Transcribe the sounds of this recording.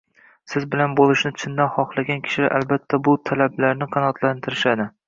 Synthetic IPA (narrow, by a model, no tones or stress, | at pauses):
sɪzbɪlanbolˠɪʃnɪt͡ʃʰɪnd̪anχɒχlˠaɡʲankʲʰɪ̥ʃɪla̰ʔa̰lbat̪ʰːabʊt̪ʰalablaɾnɪqʰɑnɒt̪lant̪ʰɪɾɪʃad̪ɪ